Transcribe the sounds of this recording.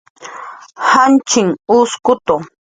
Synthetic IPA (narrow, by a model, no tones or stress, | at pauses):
hant͡ʃɪŋʊskʊt̪o